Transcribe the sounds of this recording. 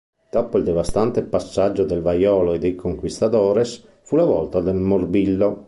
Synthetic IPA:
d̪̥ɔːpoild̪ɛvast̪ant̪epasːad͡ʒːod̪elvajɔːloed̪ekoŋkwist̪at̪ɔːɾes | fulavɔlt̪ad̪elmorbilːo

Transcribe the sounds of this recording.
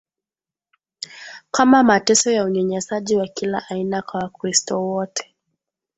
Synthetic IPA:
kamamatɛsɔjauɲɛɲɛsaʄiwakila̰ʔainakawakɾistɔwɔtʰɛ̥

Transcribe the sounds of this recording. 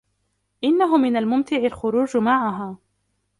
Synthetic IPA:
ʔɪnːaɦʊmɪnalmʊmt̪ɪʕɪlxʊɾuːd͡ʒmaʕaɦaː

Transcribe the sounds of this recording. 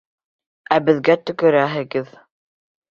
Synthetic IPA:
æbɘ̆ðɡæt̪ɵ̆kɵ̆ɾæɦɘ̆ɡɘð

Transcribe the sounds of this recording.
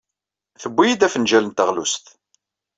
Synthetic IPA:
θəbːijid̪æfənʒælənt̪əʁlṵst̪

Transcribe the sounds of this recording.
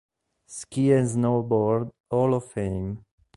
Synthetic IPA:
skiɛ̃nznobɔɾd̪ | ɔlɔfẽjm

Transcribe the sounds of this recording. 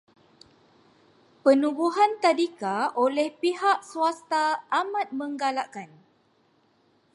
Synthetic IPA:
pənũbuɦant̪adikaolɛhpiɦaʔsuast̪aʔamat̪̚məŋɡalaʔkan

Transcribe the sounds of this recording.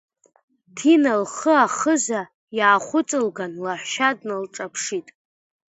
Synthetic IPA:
tʰinalχəaχəza | jaːχʷʊt͡sʼɨlɡanlaħʷʃadnalʈ͡ʂʼapʰʂitʼ

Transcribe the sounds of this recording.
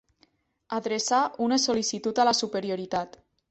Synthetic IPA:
aðɾesaʔunəsolisit̪ut̪alasupeɾioɾit̪at̪

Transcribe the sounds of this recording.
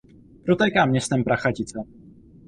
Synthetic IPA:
pɾot̪ɛjkaːmɲɛst̪ɛmpɾaxacɪt͡sɛ

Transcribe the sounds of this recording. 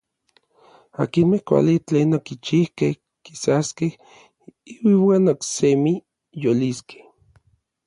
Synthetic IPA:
a̰kinmehkʷa̰lit͡ɬeːnokit͡ʃihkeh | ki̥saskeh | iwiwaːnoksemi | joliskʰe̥h

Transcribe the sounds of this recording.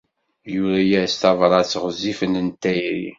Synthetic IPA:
juɾæjæst̪ɑvɾˤɑt͡sːʁəzːifənənt̪ːæjɾḭ

